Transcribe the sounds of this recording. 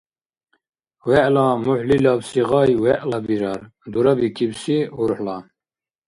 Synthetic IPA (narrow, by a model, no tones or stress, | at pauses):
wɛʔlamuħlilabsiʁɑjwɛʔlɑbiɾɑɾ | d̪uɾabikʰibsiuɾħla